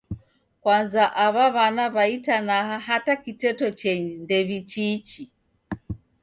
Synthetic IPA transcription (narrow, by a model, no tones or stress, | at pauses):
kwanzaʔaβaβanaβaitanaɦaɦatakitɛtɔt͡ʃɛɲndɛβit͡ʃit͡ʃi